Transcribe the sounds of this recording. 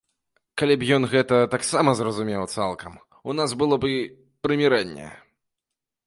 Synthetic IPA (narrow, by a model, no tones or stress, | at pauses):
kalʲɛbjɔnɣɛt̪ɐt̪aksamɐzrɐzumʲɛwt̪salˠkɐm | unasbɨlˠɔbɨ | pɾɨmʲɛɾɛnʲːɛ̰